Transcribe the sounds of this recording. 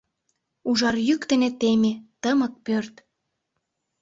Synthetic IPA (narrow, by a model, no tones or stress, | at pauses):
uʒɑrjykt̪enet̪emet̪əmə̆k̚pørt̪